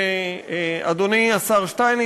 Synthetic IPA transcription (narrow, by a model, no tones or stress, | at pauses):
ad̪oniasaʁʃt̪ajn